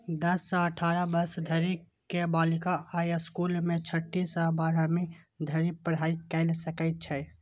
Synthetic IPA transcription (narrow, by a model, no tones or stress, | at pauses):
d̪əsːə̃əʈʰaːɾəbəsd̪ʱəɾi | kebalikaajskulmẽt͡ʃʰəʈːisəbaːɾami | d̪ʱəɾipəɾ̤aːikɛɪlsəkɛt̪̚t͡ʃʰɛ